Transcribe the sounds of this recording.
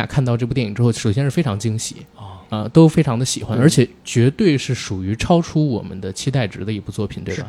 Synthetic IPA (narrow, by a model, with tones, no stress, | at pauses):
a̰˨˩kʰa˥˧nt̪ɑ˥˧ʊʈ͡ʂɤ˥˧p̬u˥˧t̪jɛ˥˩ni˨˩ʈ͡ʂɻ̩˥xo˥˧ʊʂo˨˩ʊɕjɛ˥nʂɻ̩˥˩fe˥ɪʈ͡ʂʰɑ˧˥ŋt͡ɕi˥ŋɕḭ˧˥˦ə˧t̪o˥ʊfe˥ɪʈ͡ʂʰɑ˧˥ŋd̪ə˧ɕi˨˩xwa˥nə˞˧˥t͡ɕʰjɛ˨˩˦t͡ɕɥɛ˧˥t̪we˥˧ɪʂɻ̩˥˩ʂu˨˩y˧˥ʈ͡ʂʰɑ˥ʊʈ͡ʂʰu˥wɔ˨˩mə̰˦nd̪ə˧t͡ɕʰi˥t̪a˥˩ɪʈ͡ʂɻ̩˧˥d̪ə˧i˧˥pu˥˧t͡swɔ˥˩pʰi˨˩nt̪we˥˩bɐ̰˨˩